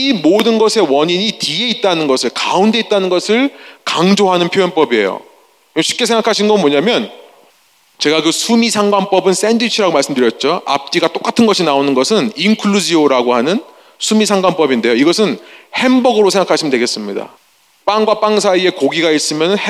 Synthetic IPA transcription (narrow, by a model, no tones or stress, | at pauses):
imodɯnɡʌsʰe̞wʌɲiɲitie̞it̚t͈anɯnɡʌsʰɯɭkaunde̞it͈̚anɯnɡʌsʰɯɭkaŋd͡ʑoɦanɯnpʰjojʌnp͈ʌbie̞̰jo̰ | ɕʰi̥p̚k͈e̞sʰeŋɡakʰaɕʰinɡʌmʌɲamjʌn | t͡ɕe̞ɡakɯsʰumisʰaŋɡwanp͈ʌbɯns͈e̞ndit͡ɕʰiɾaɡomaɭs͈ɯmdɯɾjʌt̚t͡ɕ͈oa̰p̚t͈iɡat͈ok͈atʰɯnɡʌɕʰinaonɯnɡʌsʰɯninkʰɯɭud͡ʑioɾaɡoɦanɯn | sʰumis̬ʰaŋɡwanp͈ʌbinde̞joiɡʌsʰɯnhe̞mbʌɡɯɾosʰeŋɡakʰaɕ͈ʰɯmdwe̞ɡe̞s͈ɯmɲida̰ | p͈aŋɡwap͈aŋsʰaie̞koɡiɡais͈ɯmjʌnɯnh